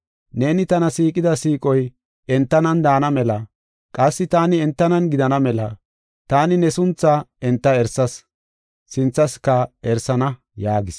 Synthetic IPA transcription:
ne̞ːnɪt̪ɐnɐsiːkʼɪd̪ɐsiːkʼɔj | ɛnt̪ːɐnɐnd̪aːnɐmɛlɐ | kʼɐsːɪt̪aːnɪɛnt̪ːɐnɐnɡɪd̪ɐnɐmɛlɐ | t̪aːnɪnɛsʊnt͡sːaɛnt̪ːɐɛɾsɐs | sɪnt͡sːɐskːɐɛɾsɐnɐ | jaːɡɪs

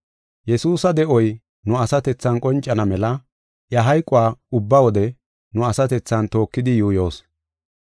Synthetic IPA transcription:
jɛsuːsɐd̪ɛʔɔj | nʊɐsɐt̪ɛt͡sːɐnkʼɔnt͡ʃʼːɐnɐmɛlɐ | ʔjɐɦɐjkʼʊwaːʊbːɐwɔd̪ɛ | nʊɐsɐt̪ɛt͡sːɐnt̪o̞ːkːɪd̪ɪjuːjo̞ːs

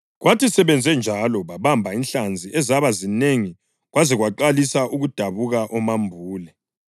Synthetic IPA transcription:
ɣwatʰisɛβɛnd͡zʱɛnd͡ʒʱalɔβaβambʱainɬand͡zʱiɛzaβazineŋi | ɣwazɛɣwaǃalisaʔuɣud̥ʱaβuɣaʔɔmambʱuːlɛ

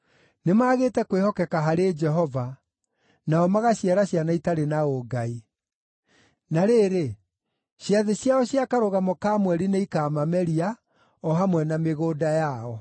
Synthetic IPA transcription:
nemaːɣeːtɛkwehɔkɛkaɦaɾed͡ʒɛɦɔva | naɔmaɣaɕiaɾaɕjanaitaɾenaoɡai | naɾeːɾe | ɕjaðeɕjaɔɕjakaɾoɣamɔkamwɛɾineikamamɛɾia | ɔɦamwɛnameɣoːdajaɔ

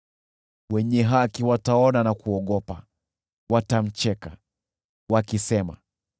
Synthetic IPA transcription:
wɛɲɛɦakiwataɔnanakuɔɠɔpa | watam̩t͡ʃɛka | wakisɛma̰

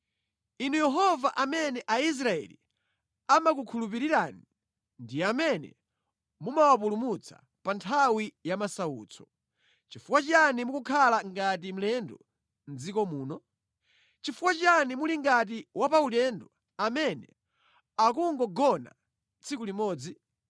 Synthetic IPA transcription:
inujɛɦɔvaʔamɛnɛʔais̬ɾaɛ̰lḭ | amak̬ukʰulupiɾiɾani | ndiamɛnɛ̰ | mumawap̬ulumut͡sʰḁ̰ | pantʰawijamasaṵːt͡sʰɔ̥ | t͡ʃifukwat͡ʃanimukukʰalaŋɡat̬im̩lɛndɔ | nd͡zikɔmuːnɔ | t͡ʃifuwat͡ʃanimuliŋɡat̬iwapaulɛndɔ | amɛnɛ̰ | akuŋɡɔɡɔna̰ | t͡sʰikulimɔːd͡zi

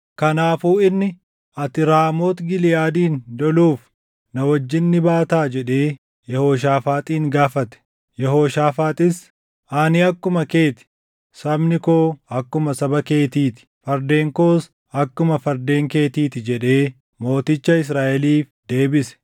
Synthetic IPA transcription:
kɐnaːfuːɪnːɪ | ʔɐt̪ɪɾaːmo̞ːt̪ɡɪlɪjaːd̪iːnd̪ɔluːf | nɐwɐd͡ʒːɪnːɪbaːt̪aːd͡ʒɛᶑe̞ː | jɛhoːʃ̬aːfaːt̪ʼiːŋɡaːfɐt̪ɛ̥ | jɛɦoːʃaːfaːt̪ʼɪs | ʔaːnɪɐkːʊmɐke̞ːt̪ɪ̥ | sɐbnɪkoːɐkːʊmɐsɐbɐke̞ːt̪iːt̪ɪ̥fɐɾd̪e̞ːŋko̞ːs | ɐkːʊmɐfɐɾd̪e̞ːŋke̞ːt̪iːt̪ɪd͡ʒɛᶑe̞ː | mo̞ːt̪ɪt͡ʃːɐɪs̬ɾaːʔɛliːfd̪e̞ːbɪsɛ̥

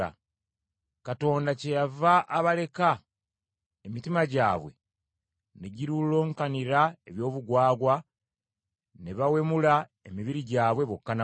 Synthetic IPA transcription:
a̰ | kato̞ːndace̞javaʔːβale̞ka | emitimaɟaːβwe̞̰ | ne̞ɟiɾulo̞ːŋkaniɾaeβjo̞ːβuɡwaːɡwa | neβawe̞mula | e̞miβiɾiɟaːβwe̞βokːana

